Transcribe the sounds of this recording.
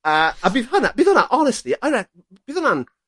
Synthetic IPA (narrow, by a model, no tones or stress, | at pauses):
əːabiðhanab̥iːðɔnaʔɔnɛstliaɾɛ | b̥iːðɔnan